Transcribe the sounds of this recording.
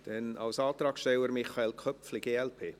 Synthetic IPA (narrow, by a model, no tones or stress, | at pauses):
d̥ɛnɑ̰wsɑːt̪ɾɑːksʃtɛwəɾmɪχɑelkʰœpflɪɡeːɛlpʰeː